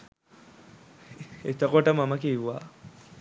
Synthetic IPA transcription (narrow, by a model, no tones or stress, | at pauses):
et̪əkoʈəmaməkiʋʋa